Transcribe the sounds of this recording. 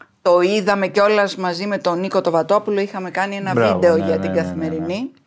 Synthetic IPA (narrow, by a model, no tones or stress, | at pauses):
t̪o̞iðɐme̞ceo̞lɐzmɐzime̞t̪o̞niko̞t̪o̞vɐt̪o̞pulo̞ixɐme̞kɐnie̞nɐvid̪e̞o̞ʝɐt̪iɡɐθime̞ɾini